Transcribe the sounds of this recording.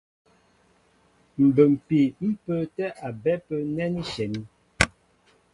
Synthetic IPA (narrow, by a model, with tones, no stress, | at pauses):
m̩˨bə˨m̩˨pi˨m̩˦pə˦tɛ˦ʔa˨bɛ˦pə˦nɛ˦ni˦ʃɛ˨ni˦